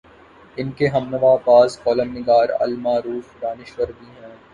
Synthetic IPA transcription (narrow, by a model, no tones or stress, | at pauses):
ɪnkeɦɐmnəʋaːpaːzkɔːləmnɪɡaːɾɐ̰lmaːɾuːfd̪aːnɪʃʋəɾb̪iːɦɛ̃ː